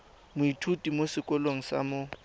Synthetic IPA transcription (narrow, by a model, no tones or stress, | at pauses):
mʊitʰutʼimosɪkʼɔloŋ̩sa̰mʊ